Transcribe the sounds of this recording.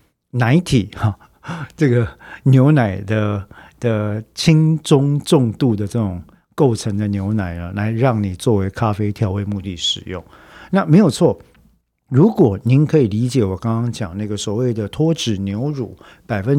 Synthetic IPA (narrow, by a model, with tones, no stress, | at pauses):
na˧˥ɪt̪ʰi˨˩˦a˧ | ʈ͡ʂɤ˥˩ɡə˩njo˧˥ʊna˨˩ɪd̪ə˦d̪̥ə˧t͡ɕʰi˥ŋʈ͡ʂʊ˥ŋʈ͡ʂʊ˥˧ŋt̪u˥˩d̪ə˩ʈ͡ʂɤ˥˩ʈ͡ʂʊ˨˩ŋ | ko˥˩ʊʈ͡ʂʰə˧˥ŋd̪ə˧njo˧˥ʊna˨˩ɪnə˦la˧˥ɪɻɑ˥˩ŋni˨˩t͡swɔ˥˩we˧˥ɪkʰa˥fe˥ɪt̪ʰjɑ˧˥ʊwe˥˧ɪmu˥˧t̪i˥˩ʂɻ̩˨˩jʊ˥˩ŋ | na˥˩me˧˥ɪjo˨˩ʊt͡sʰwɔ˥˩ | ɻu˧˥kwɔ˨˩ni˧˥nkʰɤ˧˥i˨˩li˧˥t͡ɕjɛ˨˩wɔ˨˩kɑ˥ŋkɑ˥ŋt͡ɕjɑ˨˩ŋna˥˩ɡə˩swɔ˨˩we˥˩ɪd̪ə˩t̪ʰwɔ˥ʈ͡ʂɻ̩˨˩njo˧˥ʊɻṵ˨˩˦ | pa˨˩ɪfə˦n